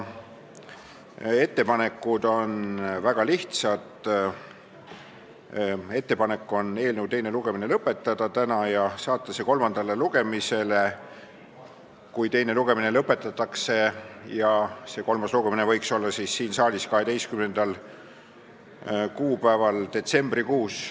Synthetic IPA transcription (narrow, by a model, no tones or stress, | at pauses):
e̞t̪ːe̞pɑne̞kːˑud̪̥o̞nvæɡ̥ɑliht̪sɑt̪ˑ | e̞t̪ːe̞pɑne̞kːˑo̞ne̞ːlnəwt̪ejne̞luɡ̥e̞mine̞lɤpːˑe̞t̪ːˑɑd̪̥ɑt̪ænɑjɑsɑːt̪ˑːɑseko̞lmɑnd̪̥ɑle̞luɡ̥e̞mise̞le̞ | kujt̪e̞jne̞luɡ̥e̞minelɤpːˑe̞t̪ːˑɑt̪ːˑɑkse̞jɑse̞ko̞lmɑsluɡ̥e̞minevɤ̞jkso̞lːɑsisːiːnsɑːlʲiskɑɦe̞d̪e̞jskymne̞nd̪̥ɑl | kuːpæevɑld̪e̞t̪se̞mb̥rikuːs